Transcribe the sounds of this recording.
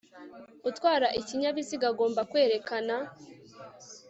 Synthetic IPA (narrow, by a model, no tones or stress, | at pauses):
ɡ̥utwaːɾaʔiciɲaβiziɡaɡo̞ːmbakwe̞ːɾe̞kana